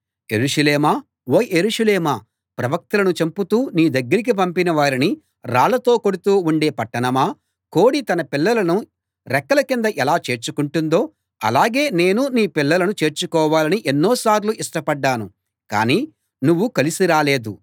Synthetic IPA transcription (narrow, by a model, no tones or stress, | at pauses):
e̞̰ɾuʂɐleːmaː | oːjeɾuːʂɐleːmaː | pɾɐʋɐk̚t̪ɐlɐnut͡ʃɐmput̪uːniːd̪ɐɡːɐɾik̬ip̬ɐmpinɐʋaːɾini | ɾaːɭɐt̪o̞ːko̞ɽut̪uːuɳɖe̞ːpɐʈːɐnɐmaː | ko̞ːɽit̪ɐnɐpilːɐlɐnu | ɾɛkːɐlɐkind̪ɐʔɛlaːt͡ʃe̞ːɾt͡ʃukuɳʈund̪o̞ː | ɐ̰laːɡe̞ːne̞ːnuniːpilːɐlɐnut͡ʃe̞ːɾt͡ʃukɔːʋaːlɐniʔenːoːsaːɾluʔiʂʈɐpɐɖːaːnu | ka̰ːniː | nuʋːukɐlisiɾaːle̞ːd̪u